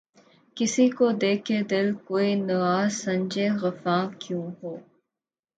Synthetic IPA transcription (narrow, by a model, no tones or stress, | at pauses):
kɪsikod̪eːkʰed̪ɪlkoːinɐaːzsɐ̃ɲd͡ʒeɣɐfãːkjũːɦoː